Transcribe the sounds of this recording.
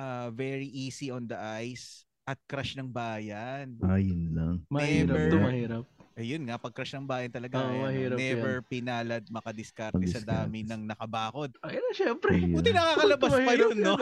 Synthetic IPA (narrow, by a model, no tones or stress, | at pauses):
ʔavɛɹiʔiːsiʔond̪ɐʔajs | ʔɐt̪̚kɾaʃnɐŋbaːjɐnajʊnlaŋmɐhɛivɾɛt̪omɐhiːɾɐpʔɐjʊnŋɐpɐɡ̚kɾaʃnɐŋbaːjɐnt̪ɐlɐɡaɐhiɾɐnɛvɛɹpɪnaːlɐd̪̚mɐkɐd̪ɪskɐɾt̪ɛsɐd̪aːmɪnɐŋnɐkɐbaːko̞d̪̚ɐjnɐʃɛmpɾɛuːt̪ɪnɐkaːkɐlɐbɐspɐjonːo